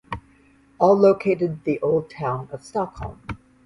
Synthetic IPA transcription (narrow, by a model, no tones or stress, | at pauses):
ɔlˠlːoʊkʰeɪɾɨd̪̚ðiʔoʊlˠd̚tʰãʊ̃nʌv̥stɑkhɔ̰lˠm